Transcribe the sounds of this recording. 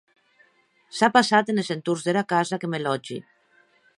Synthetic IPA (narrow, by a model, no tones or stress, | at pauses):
sapasat̪enezent̪uɾzðeɾakazakemelɔd͡ʒḭ